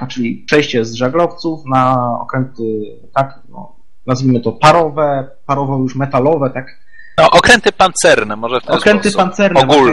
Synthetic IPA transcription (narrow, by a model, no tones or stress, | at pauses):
t͡ʂɘlʲipʂɛjɕt͡ɕɛzʐaɡlɔft̪sufnaɔ̰kɾɛnt̪ɘ | t̪ak | nɔ̰ | nazvʲimɘt̪ɔpaɾɔvɛ | paɾɔvɔjuʂmɛt̪alɔvɛt̪ak | nɔʔɔkɾɛnt̪ɘpant̪sɛɾnɛmɔʐɛft̪ɛɔkɾɛnt̪ɨpant̪sɛɾɔɛɡu